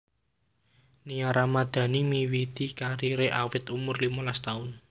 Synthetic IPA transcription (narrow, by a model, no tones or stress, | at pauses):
niaɾamad̪̥ä̤nimiwit̪ikaɾiɾeʔawɪt̪umʊrlimolast̪aʊn